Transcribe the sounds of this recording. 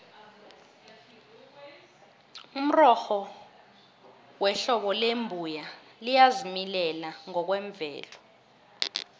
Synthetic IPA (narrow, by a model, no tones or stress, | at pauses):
um̩rɔxɔ | wɛɬɔɓɔlembʱujalijazimilɛlaŋɔk̬wɛɱb̪vɛ̰ːlɔ